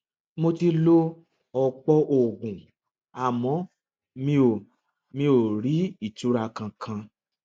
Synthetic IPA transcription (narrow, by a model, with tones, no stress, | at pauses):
mo˧ti˧lo˦ | ɔ˧k͡pɔ˦ʔo˨ɡũ˨ | a˨mɔ̃˨˦ | mĩ˧o˨ | mĩ˧˦o˨ɾi˨˦i˦˨tu˨˦ɾa˧kã˧kʰã˧